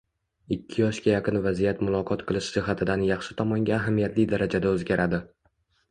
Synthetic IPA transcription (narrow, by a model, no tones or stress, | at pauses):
ɪkʲʰːɪjɒʃkʲajɑqɨnvazijat̪mʊlˠɒqʰɒt̪qʰɨlˠɪʃd͡ʒɪɦat̪ʰɪd̪anjɑχʃɪt̪ʰɒmɒŋɡʲaːɦamijat̪lɪjd̪aɾad͡ʒad̪aɵzɡʲaɾad̪ɪ